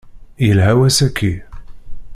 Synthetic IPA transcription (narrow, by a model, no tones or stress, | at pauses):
jəlɦæwæsækʰːi